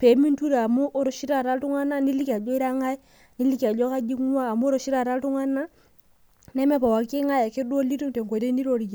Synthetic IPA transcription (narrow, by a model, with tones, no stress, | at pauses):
pe˨˦mi˦ntu˦ɾe˨a˨mu˦ʔo˦ɾo˨˦ʃi˦ɾa˦˨ta˦ltu˦ŋa˦na˦ni˦li˦ka˨d͡ʒɔ˦i˦ɾa˦ŋa˦i˦ | ni˦li˦ki˨a˨d͡ʒɔ˦ka˦d͡ʒi˦ŋ˦waː˦˨mu˦ɾo˨ʃi˦ɾa˦˨ta˦ltu˦ŋa˦na˦ | nɛ˦mɛ˦pa˨wa˨ki˦ŋa˦ja˨kɪ˦du˦o˦li˦tu˦ŋte˨ŋko˨te˦ni˦ɾo˦ɾi˨ki˨